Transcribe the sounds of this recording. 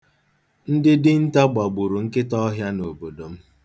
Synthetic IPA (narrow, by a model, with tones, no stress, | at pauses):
n̩˦dɪ˦dɪ˦n̩˦ta˦ɡ͡ba˨ɡ͡bu˨ɾu˨ŋ̩˦kɪ˦tɔ˦ɦja˦no˨bo˨do˨m̩˦